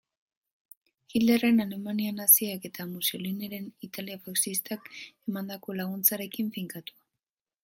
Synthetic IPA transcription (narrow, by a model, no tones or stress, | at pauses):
xild̪ere̞nale̞manianasiake̞t̪amusoliniɾe̞nit̪aliafaksist̪ake̞mand̪ako̞laɣ̞unt͡saɾe̞kiɱfiŋkat̪u̥